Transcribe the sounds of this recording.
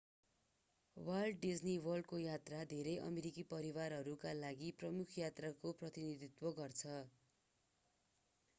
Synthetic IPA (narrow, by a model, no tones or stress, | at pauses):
wʌlɖːid͡zniwʌrɖkojat̪rad̪ʱeɾʌjʔʌ̰meɾikipʌɾiwarɦʌɾukalaɡiprʌmukʰjat̪rakoprʌt̪inid̪it̪wʌɡʌrt͡sʰʌ